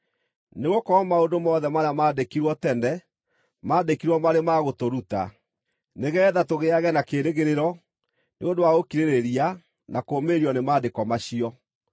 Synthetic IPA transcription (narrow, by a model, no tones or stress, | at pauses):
neɣokɔmaondomɔðɛmaɾamaːdekiɾwɔtɛndɛ | maːdekiɾwɔmaɾemaɣotoɾuta̰ | neɣɛːðatoɣeaɣɛnakeːɾeɣeɾeɾɔ | neondowaɣokiɾeɾeɾia | nakoːmeɾiɔnemaːdekɔmaɕiɔ